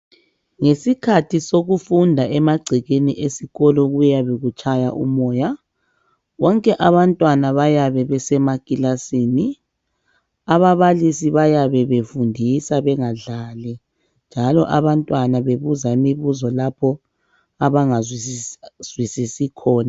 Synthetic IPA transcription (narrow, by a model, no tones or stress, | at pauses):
ŋesikʰatʰisoɣufundʱaʔɛmaɡ͡ǀʱiɣeniʔesiɣɔlɔɣujjaβeɣut͡ʃʼaja̰ʔṵmɔːja | wɔŋkʼɛʔaβantʼwanaβajaβɛβɛsɛmakʼilasiːni | aβaβalisiβajaβɛβefundʱisaβɛŋaɮaːlɛ | nd͡ʒʱalɔ̰ʔaβantʼwanaβeβuzaimiβuzɔlapʰɔ | aβaŋaz | z̥wisisikʰɔːna